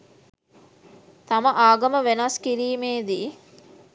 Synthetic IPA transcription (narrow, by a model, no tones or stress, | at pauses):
t̪ɐmɐʔaːɡɐməʋenɐskiɾiːmeːd̪iː